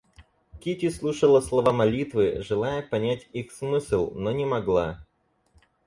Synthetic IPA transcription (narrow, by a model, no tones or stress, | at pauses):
kʲitʲɪslˠuʂəlˠəslˠɐvamɐlʲit̪vɨʐɨlˠajəpɐnʲætʲixsmɨsʲlʲˠnonʲɪmɐɡlˠa